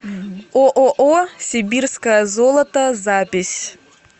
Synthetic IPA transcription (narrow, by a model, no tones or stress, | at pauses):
oʔoʔosʲɪbʲirskəjəzolˠɐt̪əzapʲɪsʲ